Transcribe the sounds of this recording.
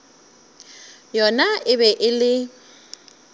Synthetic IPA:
jɔnaʔɪbɛʔɪlɪ

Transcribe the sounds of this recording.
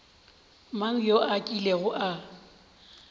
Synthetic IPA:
maŋ̩joʔakʼileɣʊʔa

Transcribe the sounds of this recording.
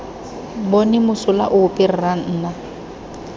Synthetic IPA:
bɔnɪmʊsʊla̰ʔʊːpʼɪrɪran̩ːna

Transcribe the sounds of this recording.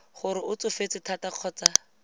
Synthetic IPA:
χʊɾɪʊt͡sʊfet͡sɪtʰataq͡χʰɔːt͡sa

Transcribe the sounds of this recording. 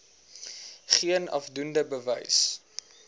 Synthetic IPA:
χiənɐ̰fdundəbəvə̰js

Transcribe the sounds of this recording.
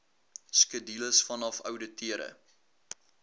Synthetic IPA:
skədiləsfɐnɐfœ̰wdətiəɾə̰

